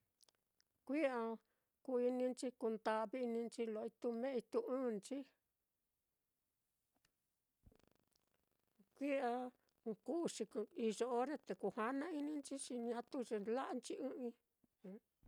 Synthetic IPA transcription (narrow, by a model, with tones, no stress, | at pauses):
kʷi˦a˧ | ku˧i˧nĩ˧nt͡ʃi˧ku˧nd̪a˧βi˦˧nĩ˧nt͡ʃi˧lo˨˧i˧t̪u˧mẽ˦i˧t̪u˧ɨ̃ː˦˨nt͡ʃi˦ | kʷi˦a˧ | ku˦˧ʂi˧i˧ʐo˧o˦ɾe˦˧t̪e˨ku˧ha˦nã˦i˦nĩ˧nt͡ʃi˦ʂi˧ɲã˧t̪u˦ʐe˧la˦ʔnt͡ʃi˧˦ʔɨ̃˦ĩ˧˦